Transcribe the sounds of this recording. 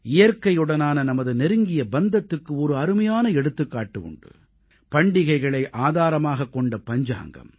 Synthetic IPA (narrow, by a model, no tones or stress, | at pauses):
ɪjɐɾkɐjɯɽɐnaːnɐnɐmɐðɯnɛɾɯŋɡɪjɐbɐnd̪ɐt̪ːɯkːɯɔɾɯɐɾɯmɐjaːnɐɛɽɯt̪ːɯkːaːʈːɯʊ̰ɳɖɯ̰ | pɐɳɖɪɣɐɪɣɐɭɐɪʔʔaːðaːɾɐmaːɣɐkːɔɳɖɐpɐɲd͡ʒa̰ːŋɡɐ̰m